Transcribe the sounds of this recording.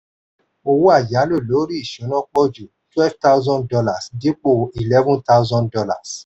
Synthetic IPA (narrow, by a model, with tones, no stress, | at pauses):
o˧wu˦a˦˨ja˨˦lo˦˨lo˨˦ɾi˦i˦˨ʃũ˨˦nã˦k͡pɔ˦˨d͡ʒu˨ | twɛ˦fta˦zɔ̃˦dɔ˧la˨sdi˨˦k͡po˦˨i˨lɛ˦vũ˦ta˦zɔ̃˦ndɔ˧la̰˨s